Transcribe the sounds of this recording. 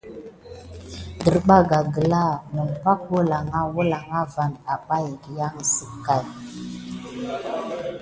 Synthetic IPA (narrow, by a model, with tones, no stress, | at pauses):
də˨ɾɓa˦ɡa˨ɡə˨la˦˨mu˨mpa˦k̚wo˦la˨ŋa˦wo˦la˨ŋa˦va˨na˨pa˦ji˨ɾja˦ŋ˨sə˨kːa˦˨j